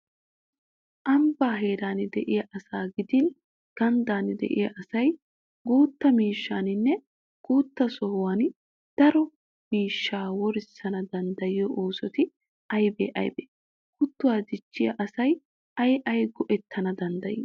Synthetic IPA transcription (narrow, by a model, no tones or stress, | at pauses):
ʔɐmbaːɦe̞ːɾaːnɪd̪ɛʔɪjɐʔɐsaːɡɪd̪ɪn | ɡ̥ɐnd̪aːnɪd̪ɛ̰ʔɪ̰jɐʔɐsɐj | ɡuːt̪ːɐmiːʃːaːnɪnːɛ | ɡ̥uːt̪ːɐsɔhʊwaːn | d̪̥ɐɾɔ | miːʃːaːwɔɾɪsːɐnɐd̪ɐnd̪ɐjɪjɔʔoːsɔt̪ɪ | ɐjbḛːʔɐ̰jbḛː | kʊt̪ːʊwaːd͡ʒ̪ɪt͡ʃːɪjɐ̰ʔɐsɐj | ɐjʔɐjɡɔʔɛt̪ʰːɐnɐd̪ɐnd̪ɐjḭː